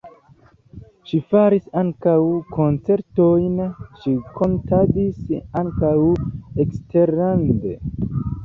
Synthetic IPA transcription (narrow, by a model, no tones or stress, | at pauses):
ʃifaɾisaŋkawkʰo̞nt͡se̞ɾtojnʃikʰo̞ntʰadisaŋkaweksteɾande